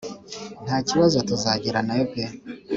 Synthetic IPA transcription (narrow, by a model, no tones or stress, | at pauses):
n̥aciwazatuzaɟiɾanajopija